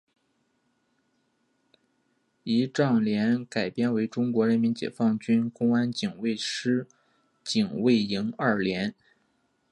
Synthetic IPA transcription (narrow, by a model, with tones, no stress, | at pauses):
i˧˥ʈ͡ʂɑ˥˩ŋljɛ˧˥nka˨˩ɪpjɛ˥˧nwe˧˥ɪʈ͡ʂʊ˥ŋkwɔ˧˥ɻə˧˥nmi˧˥nt͡ɕjɛ̰˨˩fɑ˥˩ŋt͡ɕy˥nkʊ˥ŋa˥nt͡ɕi˨˩ŋwe˥˩ɪʂɻ̩˥ | t͡ɕi˨˩ŋwe˥˩ɪi˧˥ŋɐ˞˥˩ljɛ˧˥n